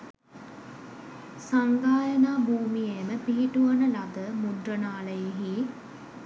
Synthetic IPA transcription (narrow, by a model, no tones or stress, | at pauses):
saŋɡaːjənaːbʱuːmijeməpiɦiʈuʋənəlɐd̪əmuɖrənaːləjeɦi